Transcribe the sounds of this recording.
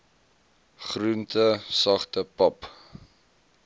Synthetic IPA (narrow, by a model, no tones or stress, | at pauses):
χruntəsɐχtəpɐp